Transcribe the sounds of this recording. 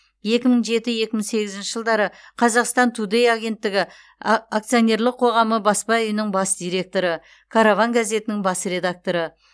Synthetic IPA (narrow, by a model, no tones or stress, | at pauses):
je̞kʲɪməɴʒe̞t̪ɪje̞kʲɪmɪse̞ɡʲɪzɪnʃɪʒəlˠd̪ɑɾəqʰɑzɑqst̪ɑnt̪ʰud̪e̞jaɡʲe̞nt̪ːɪɡʲɪ | akt̪sijo̞nʲe̞ɾlˠəqʰo̞ʁɑməbɑspɑʏjɪnɪŋbɑsd̪̥ijɾe̞k̚t̪o̞ɾə | kʰaɾovɑŋɡaze̞t̪ɪnɪŋbɑsre̞d̪ak̚t̪o̞ɾə